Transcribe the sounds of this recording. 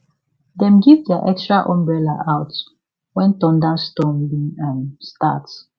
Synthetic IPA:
dɛ̃mɡivdɛaʔɛkstɹaʔɔ̃mbɹɛlaʔaʊt | wɛ̃ntɔ̃ndãnstɔ̃nliãnsta̰t

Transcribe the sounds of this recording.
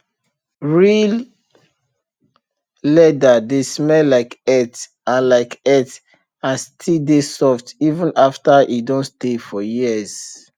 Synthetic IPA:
ɹil | lɛdadesmɛlaɪkɛt | ãnlaɪkɛt | ãnstʰidesɔftivə̃nʔaftaʔidõnstefɔjiəz̥

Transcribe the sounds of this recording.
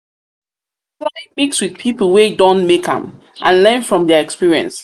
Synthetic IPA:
flãmikswið̥pʰipəl̩ˠwedɔ̃nmekã̰m | ʔãnlɛ̃nfɹɔ̃mðɛəɛkspiɹiə̰̃ns

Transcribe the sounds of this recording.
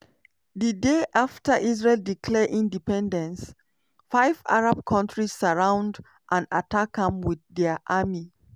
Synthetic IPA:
ðədeʔaftəʔiz̬ɹelˠdikʰlɛʔĩndipɛ̃ndə̃ns | faɪva̰ɹab̚kʰɔ̃ntɹisəɹãʊ̃nd | ʔãnatʰakʰːãmwiððɛʔami

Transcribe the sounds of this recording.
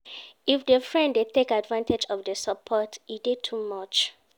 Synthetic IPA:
ifdəfɹɛ̃ndetekadvãntʰed͡ʒɔfdəsəpʰɔtidid̚tʰumʌt͡ʃ

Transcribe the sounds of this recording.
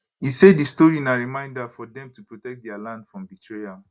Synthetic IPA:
iseddistɔɹinaɹimãɪ̃ndafɔdɛ̃mtupɹotɛk̚t̚dɛalãndfɹɔ̃mbitʰɹeja

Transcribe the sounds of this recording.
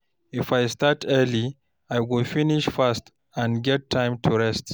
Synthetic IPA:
ifajstatʰɛli | ajɡofiniʃfast | ãnɡɛtʰːãjmtʰuɹɛst

